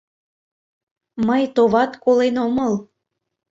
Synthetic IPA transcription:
məjt̪oβɑt̪kolenoməl

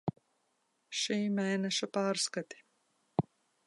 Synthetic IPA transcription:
ʃiːmʲɛːnɛʃapaːɾskat̪ʲi̥

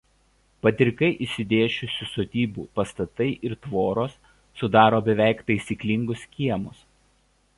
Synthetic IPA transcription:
pɐt̪ʲɪɾʲkɐɪʔɪʃsʲɪd̪ʲeːʃʲʊsʲʊst̪oːt̪ʲiːbṵːpɐst̪ɐt̪ɐɪʔɪɾt̪ʋoːɾoːsː | ʊd̪ɑːɾoːbʲɛʋʲæˑɪkpʲɛɪsʲiːklʲɪŋɡʊskʲiɛmʊs

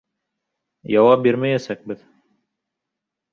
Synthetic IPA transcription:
jɑwɑp̚biɾmæjæsæk̚bɘð

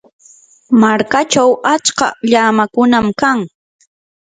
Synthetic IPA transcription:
maɾkat͡ʃawat͡ʃkaʎaːmakʊnamkaŋ

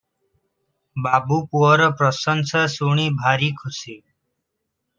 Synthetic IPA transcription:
babupuɔɾəpɾʌsənsəsuɽ̃ibʱaɾikʰusi

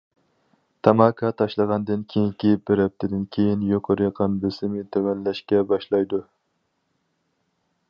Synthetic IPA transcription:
t̪ʰɑmɑkʰɑt̪ʰɑʃlˠəʁɑnd̪ɨnkʲʰejiŋkʲib̥ɪɾɛp̚t̪ʰɪd̪ɪnkʲʰejinjoqʰoɾɨqʰɑnbøsɪmɪt̪ʰøwɛnlɛʃkʲɛbɑʃlˠɑjd̪u

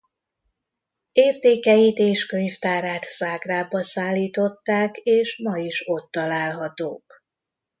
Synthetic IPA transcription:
eːrt̪eːkɛjit̪eːʃkø̞ɲft̪aːɾaːt̪saːɡraːbɒsaːlːiːt̪o̞t̪ːaːkeːʃmɒjiʃo̞t̪ːɒlaːlɦɒt̪oːk

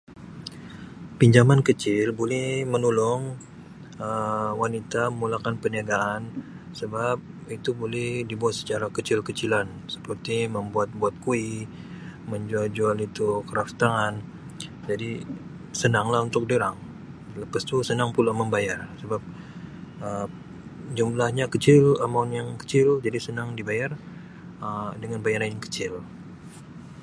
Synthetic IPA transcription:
piɲd͡ʒamankət͡ʃɪlbolɛhmənulɔŋ | əwanit̪aməmulakanpəniaɡaːn | səbap̚ | it̪ubolɛhdibuat̪̚sə̥t͡ʃaɾakət͡ʃɪlkət͡ʃilan | sə̥pərt̪iməmbuat̪̚buat̪̚kui | məɲd͡ʒuald͡ʒualit̪ukəɾaft̪aŋan | d͡ʒadi | sənaŋlaɦunt̪ʊk̚dəɾaŋ | ləpast̪usənaŋpulaməmbajarsəbap̚ | ə | d͡ʒumlahɲakət͡ʃɪlamaunjaŋkə̥t͡ʃɪld͡ʒadisənaŋdibajar | ədəŋanbajaɾanjaŋkə̥t͡ʃɪl

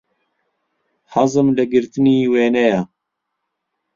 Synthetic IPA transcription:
hɑzɨmlɨɡɪɾt̪ɨniːweːnɛja

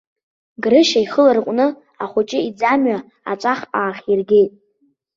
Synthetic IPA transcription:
ɡrɨʃaiχəlarqʷʼnɨ | aχʷʊt͡ʃʼɪid͡zamɥa | a̰t͡ʃʷʼaχʼaːχʲirɡʲe̞jtʼ

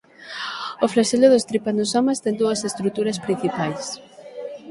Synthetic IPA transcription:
ʊflaʃelʊðʊst̪ɾipanosoɔmast̪ɛnd̪uɐsest̪ɾut̪uɾɐspɾĩn̟θipajs

